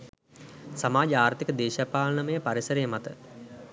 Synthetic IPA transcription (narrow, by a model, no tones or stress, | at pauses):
samaːd͡ʒəaːrt̪ikəd̪eːʃapaːlnəməjəpaɾisəɾejəmat̪ə